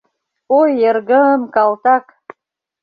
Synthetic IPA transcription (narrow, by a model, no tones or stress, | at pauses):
ojːerɡəmkalt̪ak